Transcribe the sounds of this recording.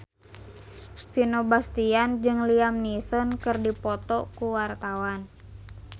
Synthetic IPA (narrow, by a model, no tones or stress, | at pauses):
finobast̪iand͡ʒɨŋliamnisɔnkɨrdipɔt̪ɔkuwart̪awan